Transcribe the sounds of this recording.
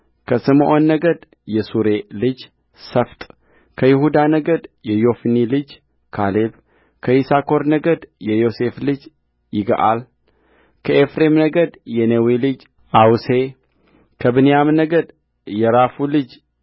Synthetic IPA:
kʰəsɨmʔonːəɡəd̪ | jɛsuɾe̞lɨd͡ʒ | səft̪ʼ | kʰəjɪhud̪anəɡəd̪jɛjo̞fnilɨd͡ʒ | kʰaleb | kʰəisakʰo̞ɾnəɡəd̪jɛjo̞se̞flɨd͡ʒ | jɪɡə̰ʔal | kʰəʔefɾe̞mnəɡəd̪jɛnewilɨd͡ʒ | ʔawse̞ | kʰəbɨnejamnəɡəd̪ | jɛɾafulɨd͡ʒ

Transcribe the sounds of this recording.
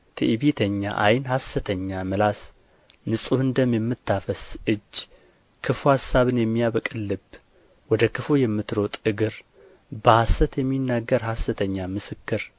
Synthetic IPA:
t̪ʰɨ̰ʔiβet̪ʰəɲːa̰ʔa̰jnhasːət̪ʰəɲːamɨlas | nɨsʼuɨnd̪əmjɛmːɨt̪ːafəsʔɨd͡ʒː | kʰɨfuhasːaβɨnjɛmːijaβəkʼɨlːɨb | wɔd̪əkʰɨfujɛmːɨt̪ɾot̪ʼɨɡɨɾ | bəhasːət̪jɛmːinːaɡːəɾhasət̪ʰəɲːamɨsɨkːɨɾ

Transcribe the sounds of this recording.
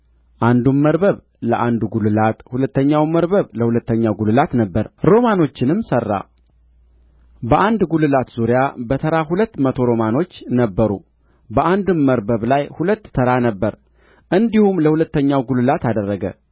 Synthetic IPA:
ʔand̪umːəɾbəβ | ləʔand̪ɡulɨlat̪hulət̪ːəɲːawməɾbəβləhulət̪ːəɲːawɡulɨlat̪nəbːəɾɾo̞mano̞t͡ʃːɪnɨmsərːa̰ | bəʔand̪ɡulɨlat̪z̥uɾijabət̪ʰəɾaɦulət̪ːmət̪ʰo̞ɾo̞mano̞t͡ʃːnəbːəɾṵ | bəʔand̪umːəɾbəβlajhulət̪ːʰəɾanəbːəɾ | ʔɨnd̪ihumləhulət̪ːəɲːawɡulɨlat̪ʰad̪ərːəɡə̰

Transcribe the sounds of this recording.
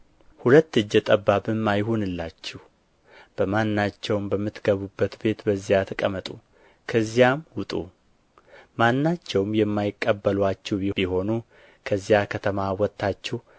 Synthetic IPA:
hulət̪ːɨd͡ʒːɛt̪ʼəbːabɨmːajɦunɨlːat͡ʃːɛh | b̥əmanːat͡ʃːɛwmbəmːɨt̪ɡəβubːət̪be̞t̪bəzːijat̪ʰəkʼəmət̪ʼu | kʰəzːijamwʊt̪ʼṵ | manːat͡ʃːɛwmjɛmːajɪkʼːəbːəlwat͡ʃːɛbibiɦo̞nu | kʰəzːijakʰət̪ʰəmawɔt̪ʰːat͡ʃːɛh

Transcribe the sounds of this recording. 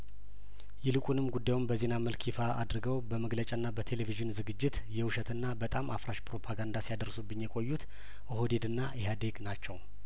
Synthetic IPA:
jɛlɨkʼunɨmɡud̪ːajumbəze̞naməlkʰifaad̪ɾɡəwbəməɡlət͡ʃʼaɨnːabət̪ʰe̞le̞viʒɨnzɨɡɨd͡ʒːɪt̪ | jɛwɨʃət̪ɨnːabət̪ʼamʔafɾaʃpɾo̞pʰaɡand̪asijad̪əɾsubːɨɲːjɛkʼo̞jːut̪ | ʔoɦod̪ed̪ɨnːaʔeɦad̪eɡnat͡ʃːɛw

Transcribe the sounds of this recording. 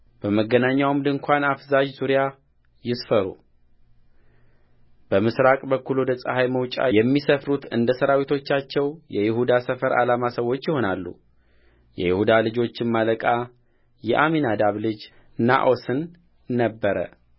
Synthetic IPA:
b̥əməɡənaɲːawmd̪ɨŋkʷʰanafzad͡ʒzuɾja | jɪsfəɾṵ | b̥əmɨsɾakʼbəkːuluwd̪əsʼəhajməwt͡ʃʼa̰jɛmːisəfɾut̪ʰɨ̰nd̪əsəɾawit̪ʰo̞t͡ʃːat͡ʃːɛwjɛjɪhud̪asəfəɾa̰lamasəwo̞t͡ʃːjɪho̞nalːṵ | jɛ̰jɪhud̪alɨd͡ʒo̞t͡ʃːɪnmaləkʼa | jɛʔaminad̪aβlɨd͡ʒ | na̰ʔo̞sɨnː | əbːəɾə̰

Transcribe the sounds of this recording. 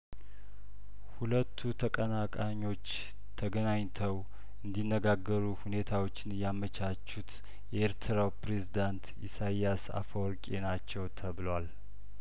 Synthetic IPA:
hulət̪ʰːut̪ʰəkʼənakʼaɲːo̞t͡ʃː | t̪ʰəɡənaɲt̪ʰəw | ɨnd̪inːəɡaɡːəɾuhune̞t̪ʰawo̞t͡ʃːɪnjamːət͡ʃʰat͡ʃːut̪ | jɛeɾt̪ʰɨɾawpɾe̞zid̪ant̪ | ḭsajjasa̰fəwɾkʼenat͡ʃːɛwt̪ʰəβɨlwal

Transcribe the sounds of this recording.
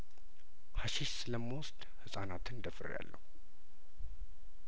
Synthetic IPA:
haʃiʃsɨləmːwʊst̪ | hɨsʼanat̪ɨnd̪əfɨrja̰lːə̰hu

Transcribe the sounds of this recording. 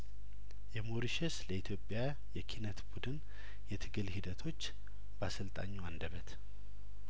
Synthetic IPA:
jɛmoɾiʃɛsləit̪ʰjo̞pʼːja | jɛkʰinət̪bud̪ɨn | jɛt̪ʰɨɡɨlhid̪ət̪ʰo̞t͡ʃː | basɨlt̪ʼa̰ɲːuand̪əβət̪

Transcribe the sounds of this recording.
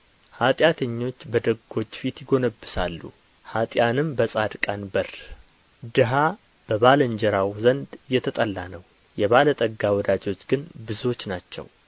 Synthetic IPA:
hat̪ʼjat̪ʰəɲːo̞t͡ʃːbəd̪əɡːo̞t͡ʃːfit̪jɪɡo̞nəbːɨsalːṵ | hat̪ʼjanɨmbəsʼad̪kʼanbər | d̪ɨɦa | b̥əβalənd͡ʒɛɾawzənd̪jɛt̪ʰət̪ʼəlːanəw | jɛβalət̪ʼəɡːawɔd̪ad͡ʒo̞t͡ʃːɡɨnbɨzo̞t͡ʃːnat͡ʃːɛ̰w

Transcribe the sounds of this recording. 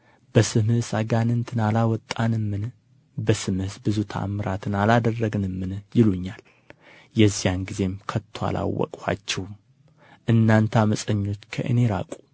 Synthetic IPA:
b̥əsɨmɨsaɡanɨnt̪ʰɨnalawɔt̪ʼːanɨmːɨn | bəsɨmɨhɨsbɨzut̪ʰa̰mɨɾat̪ʰɨnalad̪ərːəɡɨnɨmːɨnjɪluɲːal | jɛzːijanɡize̞mkʰət̪ʰːoa̰lʔa̰wːɔ̰kʼha̰t͡ʃːɛw | ʔɨnːant̪ʰaməsʼəɲːo̞t͡ʃːkʰə̰ʔɨ̰ne̞ɾa̰kʼu̥

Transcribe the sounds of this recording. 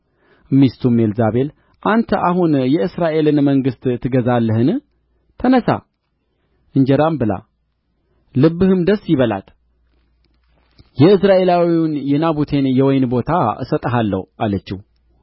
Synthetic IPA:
mist̪ʰume̞lzaβe̞l | ʔant̪ʰəʔaɦunjɛɨsɾaʔe̞lɨnməŋɡɨst̪ʼt̪ʰːɨɡəzalːəhɨn | t̪ʰənəsa̰ | ʔɨɲd͡ʒɛɾambɨla̰ | lɨbːɨhɨmd̪əsːjɪβəla̰t̪ | jɛɨsɾaʔe̞lawiunjɛnaβut̪ʰe̞njɛwɔjnbo̞t̪ʰaɨ̰sət̪ʼəɦalːə̰hʔalət͡ʃːih

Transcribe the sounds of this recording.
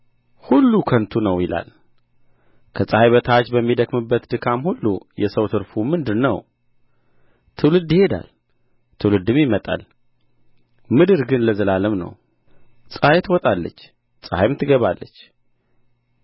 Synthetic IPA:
hulːukʰənt̪ʰunəwjɪla̰l | kʰəsʼahajβət̪ʰat͡ʃbəmːid̪əkmɨbːət̪d̪ɨkʰamhulːṵjɛsəwt̪ʰɨɾfumɨnd̪ɨnːə̰w | t̪ʰɨwlɨd̪ihe̞d̪a̰l | t̪ʰɨwlɨd̪ɨmjɪmət̪ʼa̰l | mɨd̪ɨɾɡɨnləzəlaləmnə̰w | sʼahajt̪wɔt̪ʼalːə̰t͡ʃː | t͡sʼhajmt̪ʰɨɡəβalːə̰t͡ʃː

